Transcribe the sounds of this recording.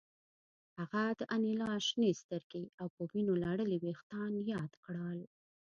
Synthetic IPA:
haɣad̪əʔanilɑʃnest̪əɾɡeawpəwinolɑɽəliwext̪ɑnjɑd̪kɽəl

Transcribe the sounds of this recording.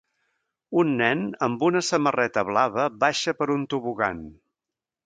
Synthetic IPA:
unːɛnəmbunəsəmərɛt̪əβlaβəbaʃəpəɾunt̪uβuɣa̰n

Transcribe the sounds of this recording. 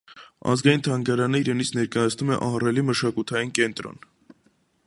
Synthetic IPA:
ɑ̰zɡɑjint̪ʰɑŋɡɑɾɑnəiɾɛnit͡sʰnɛɾkɑjɑt͡sʰnumɛ̰ʔɑɦrɛliməʃɑkut̪ʰɑjinkɛnt̪ɾɔ̰n

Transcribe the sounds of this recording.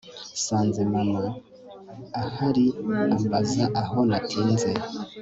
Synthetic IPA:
saːnzemamaː | haɾiambazaʔaɦonatʰiːnze

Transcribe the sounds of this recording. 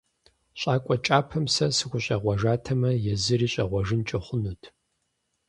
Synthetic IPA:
ɕʼaːkʷʼɔt͡ʃʼaːpʰɐmsɐsɨxʷʊɕʼɐʁʷɐʒaːtʰɐmɐjɛzɨriːɕʼɐʁʷɔʐɨnt͡ʃʼɐχʷʊnutʰ

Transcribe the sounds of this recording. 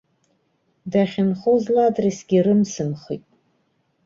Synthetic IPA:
daχʲɪnχozladrisɡʲiɾɨmsɨmχḭtʼ

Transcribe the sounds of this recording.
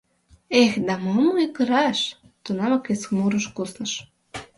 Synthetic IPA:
exd̪ɑmɤmoikə̆ɾɑʃ | t̪unɑmɑkesxmuɾəʃkusnə̆ʃ

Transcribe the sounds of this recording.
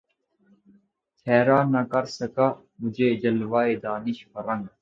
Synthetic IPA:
ɛːɾaːnːɐkɐɾsəkaː | mʊd͡ʒʱeːd͡ʒəlʋaːeːd̪aːnɪʃfəɾəŋɡ

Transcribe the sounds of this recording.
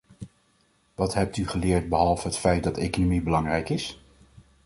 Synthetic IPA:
ʋɑtɦɛp̚tyχəlɪːɹt̚bəɦɑlˠvəɦətfɛjt̚dɑtejkonomibəlɑŋrɛjkɪs

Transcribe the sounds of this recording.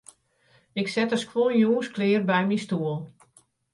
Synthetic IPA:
ɪksɛtəskʰʋoljuːənsklɪːrbɛjmistuəlˠ

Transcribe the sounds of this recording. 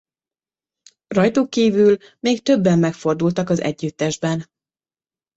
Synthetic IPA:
rɒjt̪ukːiːvyl | meːkt̪ø̞bːɛmːɛkfo̞rd̪ult̪ɒkɒzɛ̰ɟːyt̪ːɛʒbɛn

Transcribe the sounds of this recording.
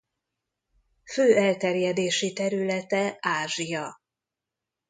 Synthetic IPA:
føːɛlt̪ɛrjɛd̪eːʃit̪ɛɾylɛt̪ɛaːʒijɒ

